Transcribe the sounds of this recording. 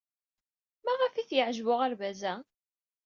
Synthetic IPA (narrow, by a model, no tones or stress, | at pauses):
mæʁæfiθjəʕʒvʊʁæɾvæzæ